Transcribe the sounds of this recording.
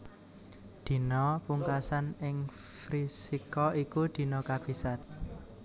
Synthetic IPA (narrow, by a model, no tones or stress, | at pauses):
d̪̥i̤nɔpuŋkasanɪŋfɾisikɔikud̪̥i̤nɔkab̥isat̪̚